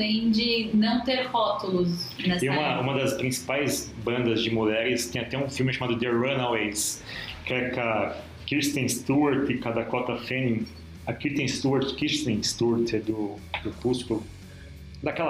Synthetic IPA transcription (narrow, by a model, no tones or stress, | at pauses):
ẽj̃d͡ʒɪnɐ̃w̃t̪eɾhɔt̪ʊlʊsnɐsiũmɐũmɐd̪ɐspɾĩsi̥pajzbɐ̃nd̪ɐzd͡ʒɪmulɛɾɪst̪ẽj̃at̪ɛũfiwmɪʃamad̪ʊd̪eɾɐnɐwejskɛka | kɾist̪ẽst̪uɐɾt̪ɪkad̪ɐkɔt̪ɐfẽnĩ | akit̪ẽj̃st̪uɐɾt̪kiʃt̪ẽj̃st̪uɾt̪ɛd̪ʊ | d̪ʊpust͡ʃkʊ | d̪ɐkɛlɐ